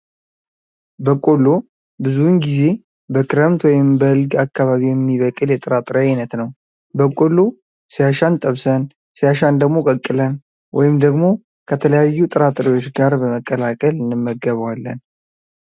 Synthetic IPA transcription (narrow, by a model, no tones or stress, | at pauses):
bəkʼo̞lːo̞ | bɨzunɡize̞ | bəkʰɨɾəmt̪wɔjɪmbəhɨlɡakːaβaβijɛmːiβəkʼɨljɛt̪ʼɨɾat̪ʼɨɾanət̪nəw | bəkʼo̞lːo̞ | sijaʃant̪ʼəβsən | sijaʃand̪əɡmo̞kʼəkʼːɨlən | wʔɔ̰jɪmd̪əɡmo̞ | kʰət̪ʰələjajːut̪ʼɨɾat̪ʼɨɾiwo̞t͡ʃːɡaɾbəməkʼːəlakʼəlɨnɨmːəɡəβwalːə̰n